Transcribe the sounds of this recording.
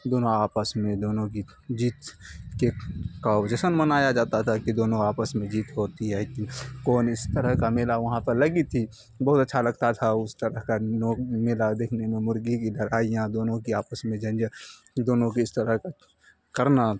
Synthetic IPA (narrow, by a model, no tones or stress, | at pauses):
d̪oːnõaːpəsmẽd̪oːnõki | d͡ʒiːt̪kekaod͡ʒɛsənmənaːjad͡ʒaːt̪at̪ʰakid̪oːnõaːpəsmẽd͡ʒiːt̪ɦoːt̪iɦɛkikɔːnɪst̪əɾəɦkameːlaʋɐɦãpəɾlɐɡit̪ʰi | bɐɦʊt̪ɐtːʃʰalɐɡ̚t̪at̪ʰaʊst̪əɾəɦkanoːmeːlad̪eːkʰnemẽmʊɾɡikid̪əɾaːijãd̪oːnõkiaːpəsmẽd͡ʒə̃nd͡ʒ | d̪oːnõkiɪst̪əɾəɦka | kəɾna